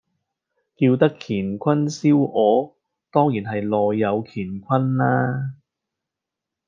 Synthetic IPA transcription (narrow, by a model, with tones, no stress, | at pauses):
kiː˧wt̪ɐ˥kʰiː˨˩nkʷʰɐ˥nsiː˥wɔː˨˧ | t̪ɔː˥ŋjiː˨˩nɦɐ˨jlɔː˨jːɐ˨˧wkʰiː˨˩nkʷʰɐ˥nlaː˥